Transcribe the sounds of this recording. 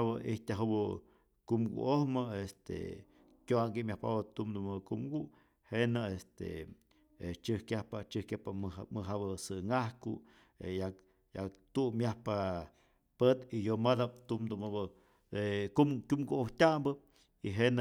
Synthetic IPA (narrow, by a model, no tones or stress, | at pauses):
bəiht̪ʲaɦubɨ | kumɡṵʔohmɨest̪ḛ | kʲjoaŋɡimʲjahpa̰bat̪umd̪umakumɡu | henaest̪ḛ | et͡ʃɨhkjahpat͡ʃɨhkjahpamɨɦabəsɨŋahkṵ | ḛja | jat̪umːjahpa | pet̪ijomad̪ap̚t̪umd̪umab | ekumkʲumɡuʔoht̪ʲambə | iɦen